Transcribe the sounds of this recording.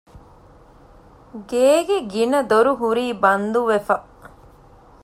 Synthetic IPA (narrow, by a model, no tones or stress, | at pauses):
ɡeːɡeɡinɐd̪oɾuɦuɾiːbɐnd̪uʋefɐ